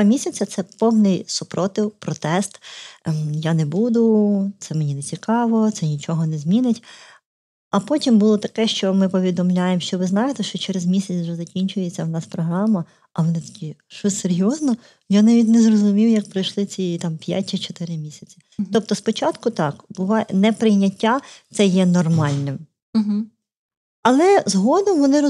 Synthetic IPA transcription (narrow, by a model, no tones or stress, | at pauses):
mʲisʲɐt͡sʲɐt̪sɛpɔwnɪjsʊpɾɔt̪ɪwpɾɔt̪ɛst̪ | janɛbud̪ʊt̪sɛmenʲinet͡sʲikɑʋɔt̪sɛnʲit͡ʃɔɦɔnɛzʲmʲinɪtʲ | ɐpɔtʲimbulˠɔt̪ɐkɛʃt͡ʃɔmɪpɔʋʲid̪ɔmlʲajemʃt͡ʃɔʋɪznɑjɪt̪ɛʃt͡ʃɔt͡ʃɛɾezmʲisʲɐt͡sʲwʒɛzɐkʲinʲt͡ʃʊjɛt͡sʲɐwnɑspɾɔɦɾɑmɐ | ɐʋɔnɪt̪ɔ̥kʲiʃɔsʲseɾʲjɔznɔ | janɑʋʲit̬ʲnɛzrɔzʊmʲiwjɐk̚pɾɐjʃlˠɪt͡sʲit̪ɑmpʲja̰tʲit͡ʃɔ̥t̪ɪɾɪmʲisʲɐt͡sʲi̥ | t̪ɔp̚t̪ɔspɔt͡ʃɑt̪kʊt̪ɑkbʊʋɑnɛpɾɪjnʲɐtʲːat̪sɛjɛnɔrmɑlʲnɪm̩ | ɦ̩ | ɐlˠɛzɦɔd̪ɔmʋɔnɪɾ